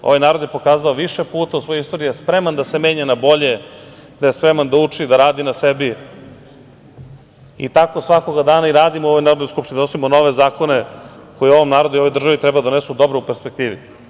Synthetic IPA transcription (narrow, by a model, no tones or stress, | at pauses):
o̰ʋajnaːɾo̞d̪jepo̞kaːzaoʋiʃepuːt̪ausʋo̞joist̪oɾiujespɾe̞mand̪ase̞me̞ːɲanabo̞ʎe̞d̪ajespɾemand̪aut͡ʂid̪aɾaːd̪inasebi | ḭt̪ako̞sʋako̞ɡad̪aːnaiɾaːd̪imoo̞ʋojnaːɾod̪noskupʃt̪inid̪anosimono̞ʋezaːkoneko̞jio̞ʋomnaːɾo̞d̪uio̞ʋojd̪r̩ʒaʋit̪ɾɛbad̪o̞nesud̪o̞bɾoupeɾspek̚t̪iːʋḭ